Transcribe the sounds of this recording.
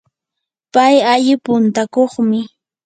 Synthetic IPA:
pajaʎɪpʊnt̪akoχmɪ

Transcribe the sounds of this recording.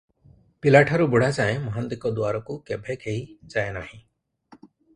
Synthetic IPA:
pilaʈʰaɾubuɽasaẽmɔɦãnd̪ikɔd̪uaɾɔkukɛbʱɛkʰeid͡ʒajnahĩ

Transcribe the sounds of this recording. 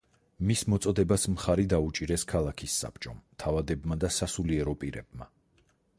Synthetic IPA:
mismɔt̪sʼɔd̪ɛbasmχaɾid̪aut͡ʃʼiɾɛskʰalˠakʰisːa̰pʰt͡ʃʼɔmt̪ʰavad̪ɛbmad̪asasuliɛɾɔpʼiɾɛ̰b̚ma

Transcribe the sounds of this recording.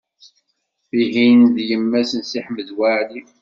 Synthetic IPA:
iɦinðjəmːæsənsiħməðwaʕli

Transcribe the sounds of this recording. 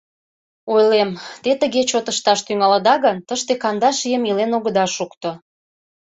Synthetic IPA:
ojlemt̪et̪əɣet͡ɕot̪əʃt̪ɑʃt̪yŋɑləd̪ɑɣənt̪əʃt̪ekɑnd̪ɑʃijəmilenoɣəd̪ɑʃukt̪o

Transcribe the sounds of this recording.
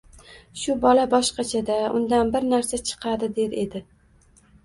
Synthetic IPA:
ʃʊbɒlabɒʃqɑt͡ʃʰad̪aʊnd̪anbɪɾnaɾsat͡ʃʰɨ̥qʰɑd̪ɪd̪e̞ɾe̞d̪ɪ

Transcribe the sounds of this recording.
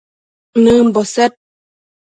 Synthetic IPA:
nəm̩bɔsɛt̚

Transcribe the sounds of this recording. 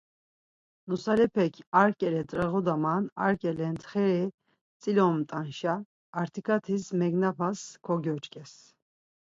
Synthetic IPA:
nusalɛpʰɛkʰaɾkʼɛlɛt̪ʼɾɛɣɔd̪amana̰ɾkʼɛlɛnt̪ʰχɛɾɛ | t͡sʼilɔmt̪ʼanʃaː | ɾt̪ʰikʰat̪ʰismɛɡnapʰaskʰɔɡjɔt͡ʃkʼɛs

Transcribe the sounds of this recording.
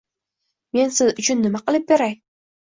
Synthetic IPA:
me̞nsɪzʊt͡ʃʰʊnːɪmaqɨlˠɪp̚beɾaj

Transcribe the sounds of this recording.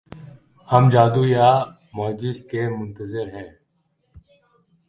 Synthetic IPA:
həmd͡ʒaːd̪uːjaː | maːd͡ʒɪskeːmʊnt̪əzɪɾɦɛ̃ː

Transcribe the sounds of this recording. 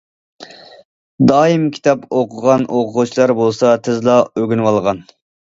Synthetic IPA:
d̪ɑːimkʲʰi̥t̪ʰɑpʰoqʰʊʁɑnʔoqʰʊʁut͡ʃʰilˠɑɾbolˠsɑt̪ʰɪzlˠɑøɡʲynwɑlˠʁɑn

